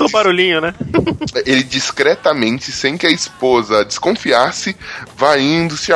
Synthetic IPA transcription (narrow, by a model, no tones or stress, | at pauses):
t̪obaɾulĩɲʊnɛ | elɪd͡ʒiskɾɛt̪ɐmẽnt͡ʃɪsẽj̃kɪɐispozɐd͡ʒɪskõfiasɪvaĩnd̪ʊsɪ